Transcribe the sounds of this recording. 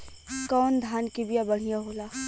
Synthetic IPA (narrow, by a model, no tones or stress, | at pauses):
kɔːnd̪ʱaːnkibijabɐɽ̤ijaɦoːlaː